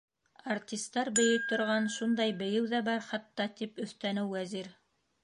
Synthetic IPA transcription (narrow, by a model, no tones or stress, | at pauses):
art̪ʲist̪ːɑɾbɘ̆jɘt̪ŏɾʁɑnʃund̪ɑjbɘ̆jɘwðæbɑɾχɑt̪ːɑt̪ipɵ̆θt̪ænɘwːæziɾ